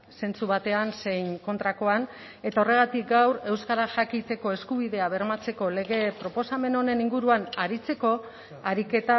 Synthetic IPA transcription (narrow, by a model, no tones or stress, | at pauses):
se̞nt͡suβat̪e̞anse̞jŋko̞nt̪ɾako̞an | e̞t̪aore̞ɣ̞at̪ik̚ɡawɾe̞wskaɾaʝakit͡se̞ko̞e̞skuβ̞iðe̞aβe̞rmat͡se̞ko̞le̞ɣ̞e̞pɾo̞po̞same̞no̞ne̞niŋɡuɾuanaɾit͡se̞ko̞ | aɾike̞t̪a